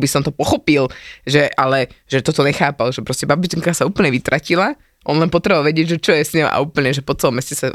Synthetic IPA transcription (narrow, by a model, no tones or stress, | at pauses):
bisɔmt̪ɔpɔxɔpilʒɛʔalɛʒɛt̪ɔt̪ɔɲɛxaːpalʒɛpɾɔscɛbabit͡ʃiŋkasauːpl̩ɲɛʋit̪ɾacila | ʔɔnlɛnpɔt̪ɾɛʋaʋalʋɛɟɪɛɟʒɛt͡ʃɔjɛsɲɔma̰uːpl̩ɲɛʒɛpɔt͡sɛlɔmɛscɛsa